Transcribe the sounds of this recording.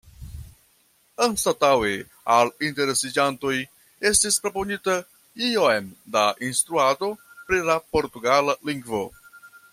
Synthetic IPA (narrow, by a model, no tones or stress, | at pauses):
anstatawe | alinte̞ɾe̞sid͡ʒanto̞j | e̞stispɾo̞po̞nita | ioemdaʔinst̪ɾuado̞pɾilapo̞ɾtuɡalaliŋɡvo̞